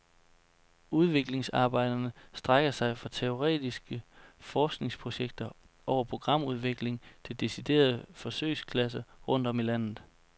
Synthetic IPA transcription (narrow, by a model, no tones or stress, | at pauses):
uð̞ˠʋe̝ɡ̥le̝ŋsɑ̈ːb̥ɑ̈ɪd̥ɐnəsd̥ʁaɡ̥ɐsɑ̈ɪfɑ̈t͡sʰe̝o̝ʁɛ̰ːd̥isɡ̥əfɒːsɡ̥ne̝ŋspʰʁo̝ɕeɡ̥̚d̥ɐ | ʔɒʊɐpʰʁo̝ɡ̥ʁɑ̈m̰uð̞ˠʋe̝ɡ̥le̝ŋt͡sʰe̝ld̥esid̥e̝̰ːɐðˠfɒ̽sø̰ɪskʰlæs̬ɐʁɔ̽n̰d̥ɒ̽milæn̰ð̩ˠ